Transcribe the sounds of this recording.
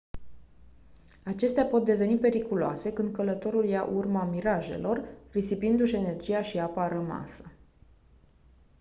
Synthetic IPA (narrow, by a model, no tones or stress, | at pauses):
at͡ʃe̞st̪eapo̞t̪̚d̪e̞ve̞nipe̞ɾikuloa̰se̞kɨnd̪̚kələt̪o̞ɾuljaʔurmamiɾaʒe̞̰lo̞rrisipind̪uʃene̞rd͡ʒijaʃiapaɾəma̰sə̥